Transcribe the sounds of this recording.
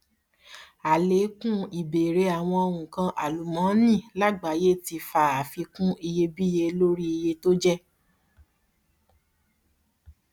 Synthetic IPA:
a˨le˨˦kũ˦i˨be˨ɾe˧˦a˨w̃ɔ̃˧o˧ɾũ˨kã˧ʔa˨lu˨mã˨˦nĩ˦˨la˦ɡ͡ba˨˦je˦˨ti˧fa˨˦˨a˨fi˧kũ˦i˧je˧bi˦je˧lo˦ɾi˦i˧je˧to˦d͡ʒɛ˦

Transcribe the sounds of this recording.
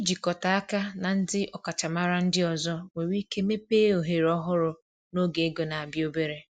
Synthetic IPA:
i˦d͡ʒi˨kɔ˨ta˨a˦ka˦na˨n̩˦dɪ˦ʔɔ˨ka˨t͡ʃa˨ma˦ɾa˦n̩˦dɪ˦ɔ˨zɔ˦we˨wi˦ke˦me˦peː˦o˨ɦe˨ɾɔ˦ɦʊ˦ɾʊ˨ | no˦ɡe˨e˦ɡo˨na˨a˨bjo˦be˦ɾe˦

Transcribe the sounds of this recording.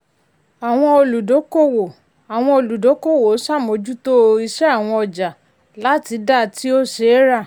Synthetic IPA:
a˨w̃ɔ̃˧o˧lu˨do˨˦ko˦˨wo˨ | a˨w̃ɔ̃˧o˧lu˨do˨˦ko˦˨wo˨˦sa˦˨mo˧˦d͡ʒu˦to˦i˧ʃɛ˦a˦˨w̃ɔ̃˧ɔ˧d͡ʒa˨ | la˨˦ti˨˧˦da˦˨ti˦o˦ʃe˨˦ɾa˦˨

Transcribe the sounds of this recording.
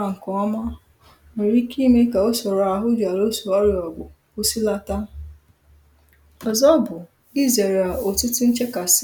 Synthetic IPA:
a˨ŋ̩˨kɔ˨˦ɔ˦ma˦ | n̩˨ɾi˦ki˦me˦ka˨o˦sɔ˨ɾa˨ɦʊ˦d͡ʒa˨ɾo˦su˨ɔ˦ɾjɔ˨ɡ͡bʷʊ˨ | o˦si˦la˦ta˦ | ɔ˨zɔ˦bʊ˨ | ɡi˦ze˨ɾa˨o˨tʊ˦tʊ˦n̩˦t͡ʃe˦ka˨s

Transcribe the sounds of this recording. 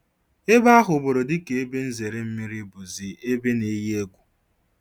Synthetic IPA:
e˦ba˦ɦʊ˨bo˨ɾo˨dɪ˦ke˨e˦be˦n̩˦ze˨ɾe˦m̩˦mi˦ɾi˦bu˨zi˨e˦be˦ne˨˦je˦e˦ɡʷu˨

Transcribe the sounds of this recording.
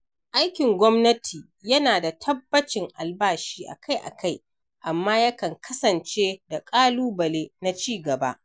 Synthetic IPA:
ʔa˦jkʲɪ˨ŋɡʷɔ˦mnɐ˦tʰiː˨ | jɐ˦naː˨da˨tʰɐ˦bːɐ˦t͡ʃɪ˨ŋʔa˨lbaː˦ʃiː˦ʔa̰˨kʰa˦jʔa̰˨kʰa˦˨j | ʔa˨mːaː˦jɐ˦kɐ˨ŋkʰɐ˦sɐ˨nt͡ʃeː˦da˨kʼaː˦luː˦bɐ˨leː˦na˦t͡ʃiː˦ɡɐ˨ba̰˦ʔ

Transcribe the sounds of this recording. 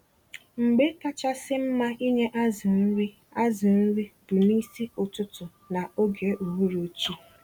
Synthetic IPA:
ŋ͡m̩˨ɡ͡be˦ka˦t͡ʃa˦sɪ˦m̩˦ma˦ʔi˦ɲe˦ʔa˦zɪ˨n̩˦ɾi˦ | a˦zɪ˨n̩˦ɾi˦b̥ʊ˨ni˦si˦ʊ˨tʊ˦tʊ˨ | na˨o˦ɡe˨ʔu˨wu˦ɾo˦t͡ʃi˦

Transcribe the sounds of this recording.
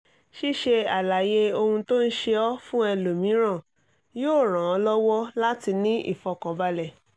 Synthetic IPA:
ʃi˦˨ʃe˧a˨la˨je˧o˧hũ˧to˦n̩˦ʃe˧ɔ˦fũ˦ɛ˧lo˨mĩ˨˦ɾ̃ã˦˨ | joː˦˨ɾ̃ã˨ɔ˧˦lɔ˦wɔ˦la˦ti˧nĩ˦ʔḭ˦˨fɔ˧kɔ˨˦ba˧lɛ˨

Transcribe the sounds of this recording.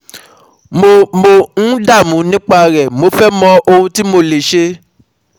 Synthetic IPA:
mo˨mo˧nũ˦da˦˨mũ˨˦nĩ˦k͡pa˦˧ɾɛ˨mo˨˧fɛ˦mɔ̃˧ʔo˧hũ˧ti˦mo˧le˨ʃe˧

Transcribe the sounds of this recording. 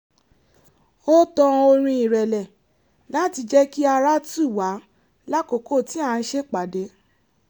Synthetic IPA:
o˦tɔ̃˧o˧ɾ̃ĩ˧i˨ɾɛ˨lɛ˨ | lã˨˦ti˧d͡ʒɛ˦ki˦a˧ɾa˦tu˦˨wa˨˦ | la˦ko˨ko˦˨ti˨˦a˦˧n̩˦ʃe˦k͡pa˨de˨˦

